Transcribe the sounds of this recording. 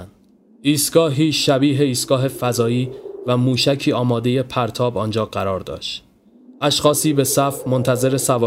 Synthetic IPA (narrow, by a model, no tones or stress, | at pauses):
nd̪ | iːst̪ɡ̥ɒːɦiːʃæbiːɦe̞iːst̪ɡ̥ɒːɦe̞fæzɒːiːvæmuːʃæcʰiːɒːmɒːd̪e̞je̞pʰæɾt̪ʰɒːbɒːnd͡ʒɒːɢæɾɒːɾd̪ɒ̰ːʃt̪ | ʔæʃxɒːsiːbe̞sæfmo̞nt̪ʰæze̞ɾe̞sævɒː